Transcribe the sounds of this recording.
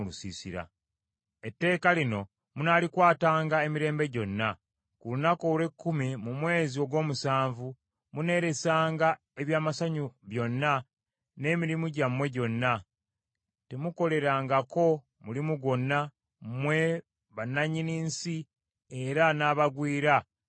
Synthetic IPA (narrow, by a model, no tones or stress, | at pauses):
lusisḭɾa̰ | e̞tːe̞ːkalino̞ | munaːlikwaːtaːŋɡae̞miɾe̞ːmbe̞ɟo̞nːa | kulunakolekːumimumwe̞ːzio̞ɡwo̞ːmusaːɱvu | mune̞ːɾe̞saːŋɡa | e̞βjaːmasaɲuβjo̞nːa | ne̞ːmiɾimuɟamwe̞ɟo̞nːa | te̞muko̞le̞ɾaːŋɡako̞ | mulimuɡo̞nːa | mwe̞ | βanaɲiniːnsi | e̞ɾanaːβaɡwiːɾa